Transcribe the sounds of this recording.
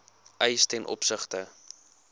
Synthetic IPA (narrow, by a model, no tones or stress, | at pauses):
ʔɛjstɛnʔɔ̰psəχtə